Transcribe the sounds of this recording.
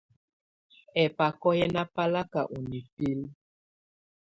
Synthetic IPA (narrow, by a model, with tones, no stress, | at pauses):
ɛ˨pa˨kɔ˦jɛ˦na˦pa˦la˦ka˨ʔu˨ni˨pi˦l